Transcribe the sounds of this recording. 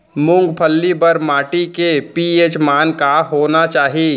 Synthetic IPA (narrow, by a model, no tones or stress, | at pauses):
mʊ̃ŋɡpʰəlːibəɾmaːʈikepieːt͡ʃmaːnkaɦoːnat͡ʃaːɦi